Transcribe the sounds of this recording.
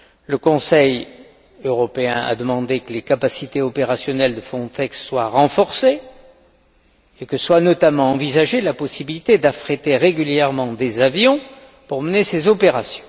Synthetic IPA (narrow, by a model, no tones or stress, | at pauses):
ləkɔ̃sɛj | øʁɔpeɛ̰̃ʔa̰d̪əmɑ̃d̪ekəlekapasit̪eɔpeʁasjɔnɛld̪əfχɔ̃t̪ɛksːwaʁɑ̃fɔʁse | kəswanɔt̪amɑ̃ɑ̃vizaʒelapɔsibilit̪ed̪afχet̪eʁeɡʲyljɛʁmɑ̃d̪ezavjɔ̃ | puʁmənesezɔpeʁasjɔ̃